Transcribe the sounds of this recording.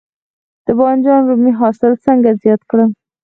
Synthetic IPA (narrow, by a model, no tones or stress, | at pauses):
d̪̥əbɑnd͡ʒɑnɾumiɦɑsɪlt͡səŋɡazjɑt̪kɽə